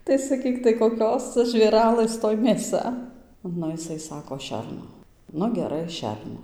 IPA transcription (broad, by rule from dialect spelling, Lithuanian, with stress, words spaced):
tɐɪ sɐˈkʲiːk tɐɪ koːˈkʲoːs ˈt͡sɐ ʒʲʋʲeːˈrɑːlˠɘs ˈtoːj mʲeːˈsɐ ˈnʊ jɪˈsɐɪ ˈsɑːkoː ˈʃʲɛrnoː ˈnʊ ɡʲɛˈrɐɪ ˈʃʲɛrnoː